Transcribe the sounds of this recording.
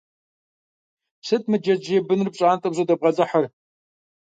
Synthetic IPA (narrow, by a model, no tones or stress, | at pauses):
sɨtʰʼmɨd͡ʒɐd͡ʒjɛbɨnrɨp̚ɕʼaːntʼɨbʑʷodɐbʁɐd͡zʼɐħar